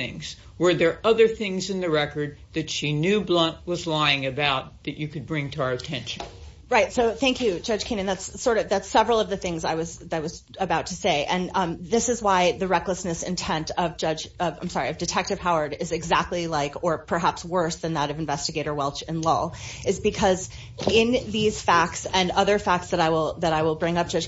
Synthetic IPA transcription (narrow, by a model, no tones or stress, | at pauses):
ɪ̰̃ŋz̥ | wə˞ðə˞ʔʌðə˞θɪ̃ŋzɨ̃nðɨɹɛkə˞d̪̚ðɨtʃinjʉblʌ̃ntʔ̚wʌzlaɪɪ̃ŋɨbaʊt̪̚ðɨt͡ʃɨkɨd̚bɹɪ̃ŋtʰəə˞ɨtʰɛ̃nʃɨ̃n̩ | ɹaɪtsoʊθæ̃ŋkʰjʉd͡ʒʌd̥ʒ̥kʰĩñɨ̃nðætsːɔɹɾʌvðætsɛvɹl̩ˠʌvðɨθɪ̃ŋzaɪwʌzðɨaɪwʌz | ɨbaʊtʰɨseɪʔɨ̃ñðɪsɨzwaɪðɨɹɛkləsnɨsɨ̰̃ntʰɛ̃ntʌvd͡ʒʌd͡ʒʌvãɪ̃msɑɹiʌvdɨtʰɛk̚tɨv̥haʊə˞ɾɪzɨɡzæk̚tˡlilaɪkə˞pʰə˞ɦæpswɜ˞sðɨ̃nðəɾʌvɨ̃ɱvɛstɨɡeɪɾə˞wɛlˠt͡ʃɨ̃nlɔ̰ɨzbɨkʰʌz | ɪ̃nðiz̥fæk̚tsɨ̃nʌðə˞fæk̚tsðɨɾaɪwɪlˠðɨɾaɪwəlˠbɹɪ̃ŋʌp̚ʒ̥ʌʒ̥